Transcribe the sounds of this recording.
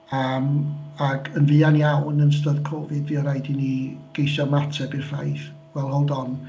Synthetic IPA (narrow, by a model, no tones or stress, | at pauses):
əmaɡənvɨːanjawnənstəðkʰɔvɪdviːɔɾajdiniɡ̥ejsɔmatʰɛbirfa̰jθ | wɛlˠhɔlˠdɔn